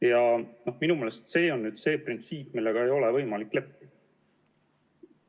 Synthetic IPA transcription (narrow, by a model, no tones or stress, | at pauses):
jɑno̞hminume̞ːlest̪se̞ːo̞nːyːd̪se̞ːprint̪siːpːmilːe̞ɡ̥ɑe̞jo̞le̞vɤjmɑlikːˑle̞pːi